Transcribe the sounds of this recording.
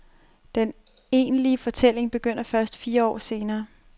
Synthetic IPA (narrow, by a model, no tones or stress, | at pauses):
d̥en | e̝̰ːnliəfɒ̽t͡sʰel̰e̝ŋb̥e̝ɡ̥øn̰ɐfɶɐsd̥fiːɐɒ̰ːse̝ːnɐː